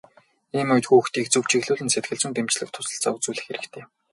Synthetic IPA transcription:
iːmʊjt̪xuuxt̪iːk̚t͡sɵw̥t͡ɕiɣɮʊːɮɘ̆nset̪̚ɡɘ̆ɮt͡ɕɘ̆nt̪emt͡ɕɮɘ̆k̚t̪ʰʊ̥sə̆ɬt͡saut͡suːɮɘ̆xeɾɘ̆kt̪ʰeː

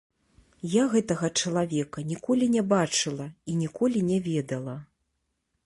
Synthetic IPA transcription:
jaɣɛt̪ɐɣɐt͡ʂɐlˠavʲɛkɐnʲikɔlʲinʲɛbat͡ʂɨlˠɐinʲikɔlʲinʲɛvʲɛd̪ɐlˠɐ

